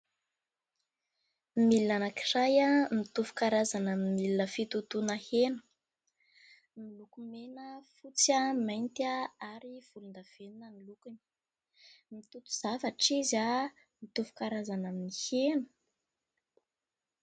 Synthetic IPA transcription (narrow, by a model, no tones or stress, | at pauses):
milnanakirajamit̪uvu̥kaɾazanaminmilinəfit̪ut̪unahenə̥ | milukumenəfut͡samajnt̪aaɾiv̥ulund̪av̥eninənilukuni̥ | mit̪ut̪u̥z̥avaʈ͡ʂiza | mit̪uvu̥kaɾazanaminihenə